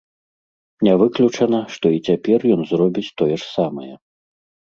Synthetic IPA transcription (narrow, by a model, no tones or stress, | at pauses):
nʲavɨklʲut͡ʂɐnɐʂt̪ɔit͡sʲapʲɛrjɔnzrɔbʲit͡sʲt̪ɔjɛʂsamɐjɛ